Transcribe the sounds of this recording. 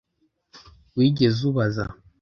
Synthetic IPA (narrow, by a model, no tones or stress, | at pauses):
wiɡɛzuβaza̰